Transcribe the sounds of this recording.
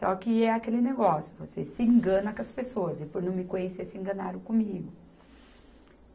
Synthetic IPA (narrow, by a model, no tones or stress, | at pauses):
sɔkɪɛakelɪneɡɔsjʊvosesɪẽŋɡɐ̃nɐkɐspesoɐzɪpoɾnɐ̃w̃mɪkõɲeseɾsɪẽŋɡɐ̃naɾɐ̃kõmiɡʊ